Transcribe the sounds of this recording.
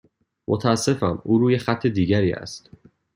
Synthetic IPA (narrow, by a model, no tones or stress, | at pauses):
mʔot̪ʰæːsːe̞fæmuːɾuːjexæt̪ʰːe̞d̪iːɟæɾiːæ̰st̪